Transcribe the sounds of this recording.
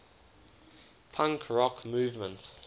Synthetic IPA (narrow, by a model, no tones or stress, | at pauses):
pʰãŋkʰɹɔkʰmuːvmə̃nt